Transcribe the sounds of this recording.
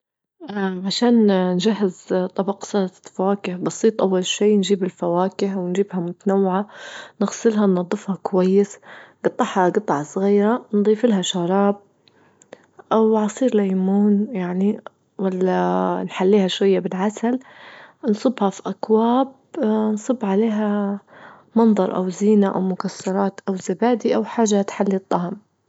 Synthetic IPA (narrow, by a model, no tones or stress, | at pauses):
ʔaʕaʃaːnnd͡ʒahːɪzt̪ˤɑbɑqsˤɑɾˤɑfawaːkɪhbɑsˤiːt̪ˤʔawːalʃiːnd͡ʒiːbɪlfawaːkɪhwɪnd͡ʒiːbhamʊt̪anawːɪʕanɪɣsˤɪlɦanːɑd̪ˤːɨfhakwajːɪsɡ̥ɑt̪ˤːɑħhɑɡɑt̪ˤːɑʕɑsˤɣiːɾand̪ˤiːfɪlɦaʃaɾˤɑːb̚ | ʔawʕɑsˤiːɾlajmuːnjaʕni | walːanħalːiːhaʃwajːabɪlʕasal | nsˤɨbhafiʔakwaːb̚ | nsˤɨbːʕaleːɦa | mɑnðˤɑɾˤʔa̰wziːnaʔa̰wmʊkasːɑɾˤɑːt̪ʔawzabaːd̪iʔawħaːʒːat̪ħalːit̪ˤːɑhm